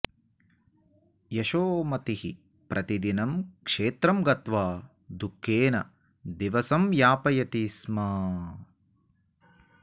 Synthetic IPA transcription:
jɐʃoːmɐt̪ihḭ | pɾʔɐt̪id̪inɐmkʂeːt̪ɾɐmɡɐt̪ʋaː | d̪ukʰːeːnɐ̰ | d̪iʋɐsɐmjaːpɐjɐt̪ismaː

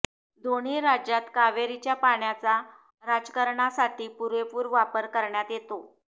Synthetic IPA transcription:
d̪oɽ̃iːɾad͡ʑjat̪kaʋeɾit͡ɕjapaɳjat͡sa | ɾad͡zkəɾɳasaʈʰiːpuɾʋepuːɾʋapəɾkəɾɳjat̪jet̪o

